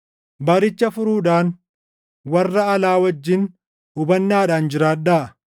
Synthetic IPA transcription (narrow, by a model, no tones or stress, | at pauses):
bɐɾɪt͡ʃːɐfʊɾuːᶑaːn | wɐrːɐɐlaːwɐd͡ʒːɪn | ʊbɐnːaːᶑaːnd͡ʒɪɾaːᶑaːʔɐ